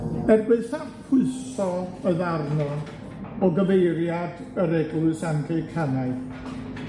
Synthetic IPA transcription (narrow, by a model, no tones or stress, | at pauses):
ɛrbɨðsarpʰʊɨsθɔəðarnɔn | ɔɡəvejɾjad | əɾɛɡlʊɨsankʰeɨkʰanaɨð